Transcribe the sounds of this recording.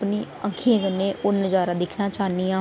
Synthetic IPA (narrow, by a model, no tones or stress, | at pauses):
pniː | ə̃ŋkʰijãːkənːẽːʔʊnəd͡ʒaːɾaːd̪ɪkʰnaːt͡ʃaːnijãː